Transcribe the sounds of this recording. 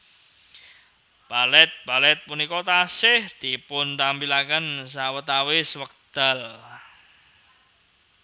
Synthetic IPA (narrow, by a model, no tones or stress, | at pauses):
b̥alɛt̪̚b̥alɛt̪̚punikɔt̪asɪht̪ipʊnt̪ambilakənsawət̪awɪswək̚d̪̥a̤l